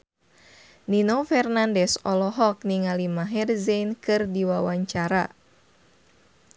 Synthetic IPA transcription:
ninofɛrnandɛsɔlɔɦɔk̚niŋalimaɦɛrzenkɨrdiwawaɲt͡ʃaɾa

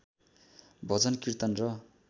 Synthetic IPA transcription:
bʱʌd͡zʌnkirt̪ʌnrʌ

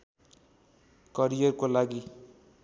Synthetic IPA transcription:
kʌɾijʌrkolaɡi

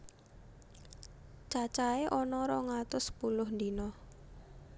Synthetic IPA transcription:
t͡ʃat͡ʃaeʔɔnɔɾɔŋat̪ʊspulʊhnd̪inɔ

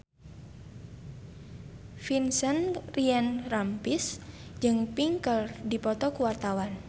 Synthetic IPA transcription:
finsənriɛnrampis | d͡ʒɨŋpiŋkəldipɔt̪ɔkuwart̪awan

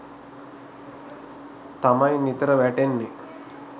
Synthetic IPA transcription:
t̪amajnit̪ɾəʋæʈenːe

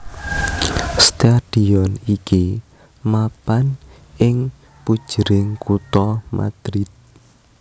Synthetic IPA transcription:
st̪aɖ̥iɔniki | mapan | ɪŋ | pud̥ʒ̥əɾɪŋkut̪ɔmʔa̰d̪̥ɾit̪̚

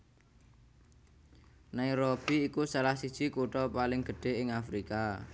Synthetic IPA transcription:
nairɔb̥i̤ːkusalahsid̥t͡ʃi̤kuʈɔpalɪŋɡ̥ə̤ɖ̥e̤ɪŋafɾika

